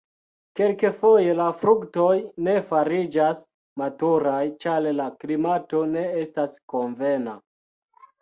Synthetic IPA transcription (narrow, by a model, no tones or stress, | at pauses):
ke̞lkefo̞je̞lafɾukto̞jne̞faɾid͡ʒas | matuɾajt͡ʃallaklimato̞ne̞estasko̞ɱve̞na̰